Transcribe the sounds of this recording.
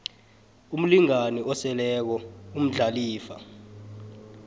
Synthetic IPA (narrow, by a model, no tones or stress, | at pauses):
um̩liŋaniʔɔsɛlɛk̬ɔum̩ɮaliːfa